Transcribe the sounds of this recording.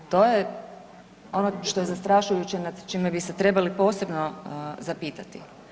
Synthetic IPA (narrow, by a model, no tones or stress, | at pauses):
t̪o̞je | o̞noʃt̪o̞jezast̪ɾaʃujut͡ɕenad̪t͡ʃimebise̞t̪ɾe̞balipo̞ːse̞bno̞zapiːt̪at̪i